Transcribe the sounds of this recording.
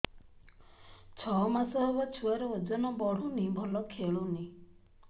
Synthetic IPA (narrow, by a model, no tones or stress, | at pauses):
t͡ʃʰɔmasɔɦebat͡ʃʰuaɾɔod͡ʒɔnɔbɔɽ̤unibʱɔlɔkʰeɭuni